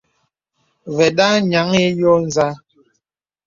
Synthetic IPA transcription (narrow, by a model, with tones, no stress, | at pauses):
vɛ˨da˦ɲa˨˦ŋe˦jɔ˦n˨za˦